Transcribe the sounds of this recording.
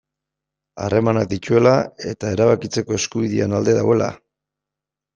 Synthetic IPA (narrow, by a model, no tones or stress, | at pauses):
a̰re̞manak̚d̪icue̞lae̞t̪ae̞ɾaβakit͡se̞ko̞e̞skuβiðianald̪e̞ðawe̞la̰